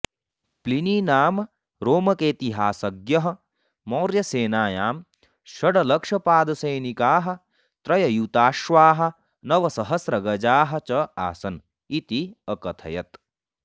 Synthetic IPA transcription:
pliniːnaːm | ɾoːmɐkeːt̪iɦaːsɐɡjɐɦɐ̆ | moːɾjɐseːnaːjaːm | ʃɐɽɐlɐkʂɐpaːd̪ɐsɐjnikaːɦɐ̆ | t̪ɾɐjɐjut̪aːʃʋaːɦɐ̆ | nɐʋɐsɐɦɐsɾɐɡɐd͡ʒaːɦɐ̆t͡ʃɐa̰ːsɐn | it̪iɐkɐt̪ʰɐ̰jɐt̪

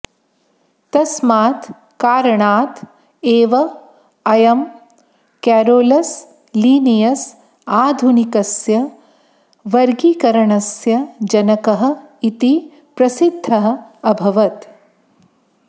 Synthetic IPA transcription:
t̪ɐsmaːt̪ | kaːɾɐɳaːt̪ | eːʋɐ | ɐjɐm | kɛːɾoːlɐs | liːnijɐs | aːd̪ʱunikɐsjɐ | ʋɐɾɡiːkɐɾɐɳɐsjɐd͡ʒɐnɐkɐɦɐ̆it̪i | pɾɐsid̪ʱːɐɦɐ̆ɐbʱɐʋɐt̪

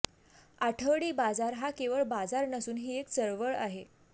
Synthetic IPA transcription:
aʈʰəʋɽiːbad͡zaɾɦakeʋəɭbad͡zaɾnəsuːnɦiːekt͡səɾʋəɭaɦe

